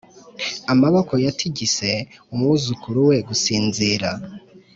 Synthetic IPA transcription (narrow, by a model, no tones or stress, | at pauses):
amaβoko̞jatʰiɟise̞umŋuzukʰuɾuwe̞ɡusiːnziːɾa